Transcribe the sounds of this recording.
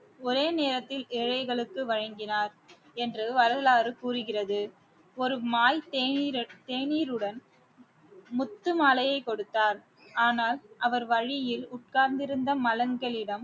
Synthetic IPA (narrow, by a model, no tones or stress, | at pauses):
ɔɾeːneːɾɐt̪ːɪlɛːɻɐɪɣɐɭɯkːɯʋɐɻɐŋɡɪnaːɾ | ɛndrɯʋɐɾɐlaːrɯkuːrɯɣɪrɐðɯ | ɔɾɯmaːjt̪ːt̪eːniːɾɯɽɐn | mʊt̪ːɯmaːlɐjɐɪkːɔɽɯt̪ːaːɾ | aːnaːlʔɐʋɐɾʋɐɻɪjɪlʊʈ̚kaːɾnd̪ɪɾɯnd̪ɐmɐlɐŋɡɐɭɪɽɐm